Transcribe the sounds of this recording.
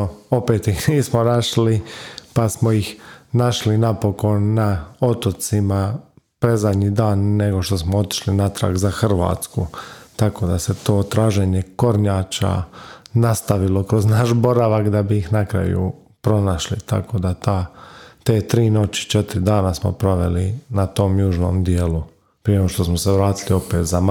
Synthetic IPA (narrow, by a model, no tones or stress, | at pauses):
o̞pe̞ːt̪ixniːsmonaʃlipasmoixnaʃlinapo̞ko̞nːao̞t̪ot̪simapɾezad̪ɲiːd̪aːnːe̞ɡo̞ʃt̪o̞smoo̞t̪i̥ʃlinat̪ɾa̰ɡzaxr̩ʋa̰ːt̪skut̪ako̞d̪ase̞t̪oːt̪ɾaːʒe̞ɲeko̞ɾɲaːt͡ʃa̰nast̪aʋilo̞kɾo̞znaʃbo̞ɾaʋakd̪abiːxnakɾa̰jṵ | pɾo̞naʃlḭt̪a̰ko̞d̪at̪at̪e̞ːt̪ɾiːno̞t͡ɕi̥t͡ʃe̞t̪ɾid̪aːnasmo̞̰pɾo̞ʋe̞̰linat̪o̞mjuːʒno̞̰ːmd̪jeːlu | pɾijeoʃt̪o̞smoseʋɾaːt̪ilio̞pe̞ːt̪zam